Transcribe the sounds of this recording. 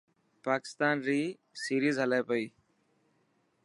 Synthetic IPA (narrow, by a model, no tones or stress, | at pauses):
paːkɪ̥st̪aːnɾiː | siːɾiːzɦəlaːpəiː